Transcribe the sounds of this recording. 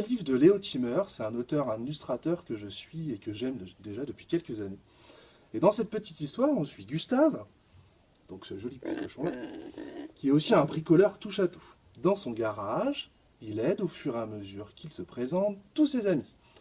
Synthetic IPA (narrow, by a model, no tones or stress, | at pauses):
əlivd̪əleot̪ʰimœʁsɛt̪ɛ̃not̪œʁãmilyst̪χat̪œʁkəʒəsɥiekəʒɛmd̪eʒad̪əpɥikʲɛlkəzane | ed̪ɑ̃sɛt̪̚pət̪it̪ist̪waʁɔ̃sɥiɡʲyst̪av | d̪̥ɔ̃ksəʒɔlipt̪ʰit̪ɔʃɑ̃ | kʲiɛtosiɛ̃bʁikɔlœʁt̪uʃat̪u | d̪ɑ̃sɔ̃ɡaʁaʒ | ilɛd̪ofyʁeaməzyʁkʰʲilsəpχezɑ̃t̪ːusezami